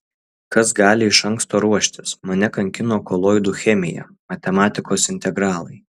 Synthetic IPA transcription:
kɐsɡɑːlʲɪɪʃɐŋˑkst̪oːɾuɔʃʲt̪ʲɪsmɐnʲɛkɐŋʲkʲɪnoːkoːlˠoːɪd̪uːxʲɛmʲɪjɛ̰ | mɐt̪ʲɛmɑːt̪ʲɪkoːsɪnʲt̪ʲɛɡɾɑːlˠɐɪ

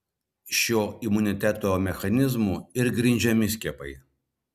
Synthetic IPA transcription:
ʃʲoːɪmʊnʲɪt̪ʲɛt̪oːmʲɛxɐnʲɪzmuːɪɾɡɾʲɪnʲd͡ʒʲɛmʲɪsʲkʲɛpɐɪ

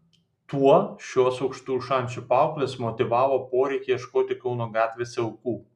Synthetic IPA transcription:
t̪uɔʃʲoɔsɒʊkʃt̪uːʃɐˑnʲt͡ʃʲupɑˑʊklʲeːsmɔt̪ʲɪʋɑːʋoːpoːɾʲɛɪkʲeɪʃkoːt̪ʲɪkɒʊnoːɡɑːt̪ʲʋʲeːsʲɐʊkuː

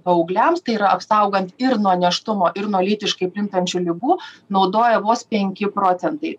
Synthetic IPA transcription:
ɐɐʊɡlʲɛmst̪ɐɪiɾɐɐpsɐˑʊɡɐnt̪ɪɾnuɔnʲɛʃt̪ʊmoːʔɪɾnuɔlʲiːt̪ʲɪʃkɐɪpʲlʲɪnt̪ɐnʲt͡ʃʲulʲɪbuːnɒʊd̪oːjɛʋoːspʲɛŋʲkʲɪpɾoːt̪ʲɛnt̪ɐɪ

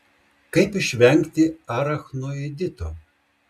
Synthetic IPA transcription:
kɐɪpɪʃʲʋʲɛŋʲkt̪ʲɪɑːɾɐxnoːed̪ʲɪt̪oː

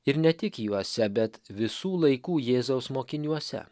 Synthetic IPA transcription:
ɪɾnʲɛt̪ʲɪkjuɔsʲɛbʲɛt̪ʋʲɪsuːlˠɐɪkuːjeːzoʊsmoːkʲɪnʲuɔsʲɛ̰

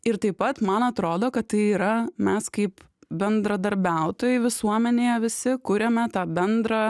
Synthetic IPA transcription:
ɪɾt̪ɐɪppɐt̪mɐnɐt̪ɾoːd̪oːkɐt̪tːɐɪiːɾɐmʲɛskɐɪp | bʲɛnd̪ɾɐd̪ɐɾʲbʲæˑʊt̪oːjɛɪʋʲɪsuɔmʲɛnʲeːjɛʋʲɪsʲɪkʊɾʲɛmʲɛt̪ɑːbʲɛnd̪ɾɑː

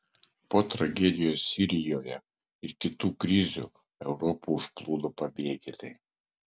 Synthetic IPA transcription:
pot̪ɾɐɡʲɛd̪ʲɪjossʲiɾʲɪjoːjɛ | ɪɾkʲɪt̪uːkɾʲizʲṵ | ɛʊɾɔpuʊʃplˠuːd̪opɐbʲeːɡʲelʲej

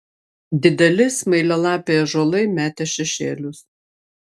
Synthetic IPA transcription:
d̪ʲɪd̪ʲɛlʲɪsmɐɪlʲɛlˠɑːpʲejɛʒoːlˠɐɪmʲæːt̪ʲɛʃʲɛʃʲeːlʲʊs

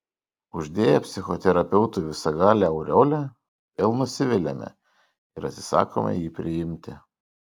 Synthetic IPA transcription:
ʊʒʲd̪ʲeːjɛpʲsʲɪxɔt̪ʲɛɾɐpʲɛʊt̪ʊʋʲɪsɐɡɑːlʲɛɐʊɾʲoːlʲɛ | ɛlˠnʊsʲɪʋʲɪlʲɛmʲɛ̰ | ɪɾɐ̰t̪ʲsʲɪ̥sɑ̰ːko̰mʲɐ̰jiːpʲɾʲɪjɪmʲt̪ʲɪ

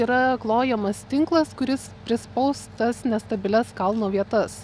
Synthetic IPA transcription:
iːɾɐklˠoːjɛmɐst̪ʲɪŋklˠɐskʊɾʲɪspʲɾʲɪspɐʊst̪ɐsnʲɛst̪ɐbʲɪlʲɛskɐlˠnoːʋʲiɛt̪ɐs

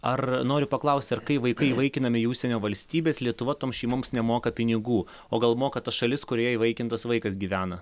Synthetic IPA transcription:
ɐrnoːɾʲʊpɐklˠɐʊsʲt̪ʲɐɾkɐɪʋɐɪkɐɪiʋɐɪkʲɪnɐmʲɪjuːʃsʲɛnʲoːʋɐlʲsʲt̪ʲiːbʲeːslʲiɛt̪ʊʋɐt̪oːmsʃʲɛɪmoːmsnʲɛmoːkɐpʲɪnʲɪɡuː | oːɡɐlˠmoːkɐt̪ɐsʃɐlʲɪskʊɾʲoːjɛiʋɐɪkʲɪnt̪ɐsʋɐɪkɐsɡʲiːʋʲæːnɐ

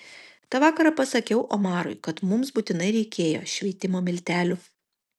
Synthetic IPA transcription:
t̪ɑʋɑːkɐɾɐpɐsɐkʲɛʊʔoːmɑːɾʊ̰ɪkɐt̪mʊmsbuːt̪ʲɪnɐɪɾʲɛɪkʲeːjo̰ːʃʲʋʲiɛt̪ʲɪmoːmʲɪlʲt̪ʲæːlʲʊ

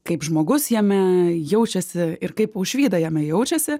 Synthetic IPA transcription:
kɐɪpʒmoːɡʊsjɛmʲɛjɛʊt͡ʃʲɛsʲɪɪrkɐɪpʊʃʲʋʲiːd̪ɐjɛmʲɛjɛʊt͡ʃʲɛsʲɪ

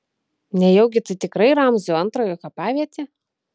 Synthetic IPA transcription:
nʲɛjɛʊɡʲɪt̪ɐɪt̪ʲɪkɾɐɪɾɑmzoɐnt̪ɾoːjoːkɐpɑːʋʲiɛt̪ʲe

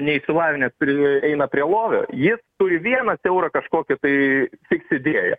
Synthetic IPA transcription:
nʲɛɪʃsʲɪlˠɑːʋʲɪnʲɛspɾʲɪɛɪnɐpʲɾʲiɛlˠoːʋʲo̰ːjɪst̪ʊɾʲɪʋʲiɛnɐsʲɛʊɾɐkɐʃkoːkʲɪt̪ɐɪsʲɪksʲɪd̪ʲeːɛjɛ̰

